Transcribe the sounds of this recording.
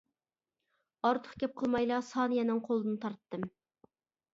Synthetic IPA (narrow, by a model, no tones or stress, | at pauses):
ɑɾt̪ʰə̥χkʲɛp̚qʰəlˠmɑjlˠɑsɑnɨjɛnɪŋqʰolˠɨd̪ɨnɨt̪ʰɑɾt̪ːɨm